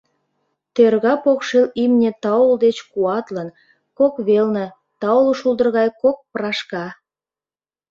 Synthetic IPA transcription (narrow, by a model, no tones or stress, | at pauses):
t̪erɣɑpokʃilimnʲĕt̪ɑuld̪et͡ɕkuɑt̪lən | kokβelnə̆ | t̪ɑoloʃulˠd̪ərɣɑjkok̚prɑʃkɑ